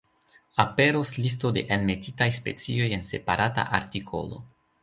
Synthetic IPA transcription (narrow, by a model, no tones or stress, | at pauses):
ape̞ɾoslis̬tode̞̰ʔenme̞titajspe̞t͡sio̞je̞nse̞paɾʔata̰ʔaɾtikʰo̞̰lo̞̰